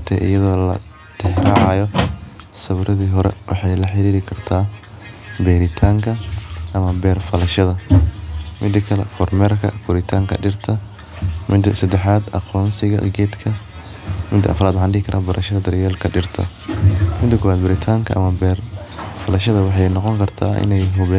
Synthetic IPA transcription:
t̪ʰɛ̰ʔɪ̰jɐðɔːlɐ̰ | t̪ʰɛhrɑʕɑjɔ | sɐβɾɐðiːɦɔɾɛ̰wɑ̰ħɑjlɐħɪɾiːɾɪkʰɐrt̪ʰaː | bɛɾɪt̪ʰaːŋkʰɐʔɐmɐbɛːrfɐlɐʃɐðɐ | mɪd̪ɐkʰɐlɛfʰɔrmɛrkʰɐ̰kʰʊɾɪt̪ʰaːŋkʰɐ̰ɖɪrt̪ʰɐ | mʔɪd̪ɐsɐd̪ɛħaːd̪ɐ̰qɔːnsɪɣɐ̰ɡɛːd̪kʰɐ | mɪd̪ɐ̰ɐ̰fɾaːd̪ʕɑnɖɪkʰɐɾʔabɐɾʔɐʃɐðɐd̪ɐɾjɛːlkʰɐɖɪrt̪ʰɐ̰ | mɪd̪ɐkʰɔwaːd̪bɐɾɪt̪ʰaːŋkʰɐ̰ʔɐ̰mɐbɛrfɐlɐʃɐðɐwɑħɑjnɔqɔŋkʰɐrt̪ʰa̰ːʔɪ̰nɛjɦʊβɛ

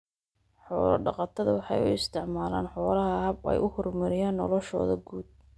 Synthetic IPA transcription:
ħɔːlɐ̰ɖɑqɑt̪ʰɐðɐwɑħɑjʊɪst̪ʰɪʕmaːla̰ːnħɔːlɐɦɐɦɐbɛ̰jʔʊhʊrmɐɾɪjaːnːɔ̰lɔʃɔ̰ːðɐɡuːd̪̚

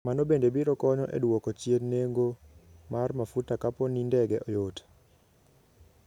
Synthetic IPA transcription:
manobendebiɾɔkɔɲɔʔḛdwokɔt͡ʃjeneŋɡomarmafutakaponindɛɡɛʔɔjot

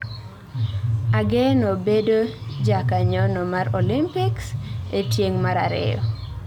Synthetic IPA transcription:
aɡenobedod͡ʒakaɲɔnɔmaɾolimpɪksetjeŋmaɾa̰ɾɪ̰jɔ̰

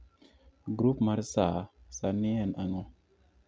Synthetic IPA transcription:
ɡɾupmaɾsasaniɛnaŋo

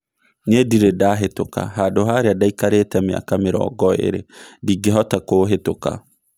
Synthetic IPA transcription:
nediɾedaːɦetoka̰ɦadoɦaɾeadaikaɾetamea̰kameɾɔ̰ɡɔḛɾḛdiɡeɦɔtakoɦetoka̰

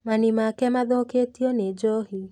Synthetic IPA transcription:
manimakɛmaðɔketiɔned͡ʒɔɦi

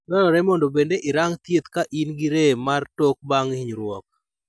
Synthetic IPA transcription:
dɔlɔɾɛmɔndɔbendeʔɪɾaŋt̪jet̪kaʔinɡiɾemartɔk̚baŋiɲɾwɔk̚

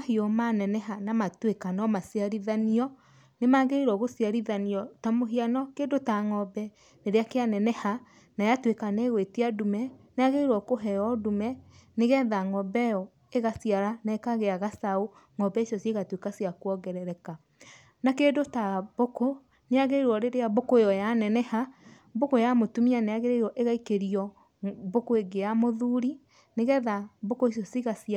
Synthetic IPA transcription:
ahiɔmanɛnɛɦanamatwekanɔmasiaɾiðaniɔ | nemaɣeiɾɔɣosiaɾiðaniɔtamoɦianɔkeːndotaŋɔbɛ | neɾeakeanɛnɛha | najatwekanɛɣwetiadumɛneaɣeiɾɔkoɦɛɔdumɛneɣɛðaŋɔbɛɔ | eɣasiaɾanɛkaɣeaɣasao | ŋɔbɛesɔsieɣatwekasiakwɔɡɛɾɛɾɛka | nakedotaboko | neaɣeiɾwɔɾeɾeabokoejɔjanɛnɛha | bokojamotumianaaɣeɾeiɾɔʔeɣaikeɾiɔ | bokoeɡeamoðuɾi | neɣɛðabokoesɔsiɣasia

